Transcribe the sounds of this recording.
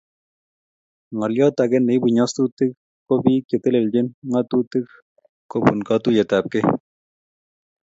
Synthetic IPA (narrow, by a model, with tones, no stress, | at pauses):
ŋɔ˨ljɔ˦t̪a˨ɡɛ˦ne˨˦bu˨ɲɔ˦st̪u˦t̪ɪ˦k̚ | ko˦bi˦ke˨t̪e˦le˨ld͡ʒɪ˦nŋa˦t̪u˦t̪ɪ˦k | ko˦bṵ˨nkɑ˦t̪u˦jɛ˨t̪a˨p̚ke˦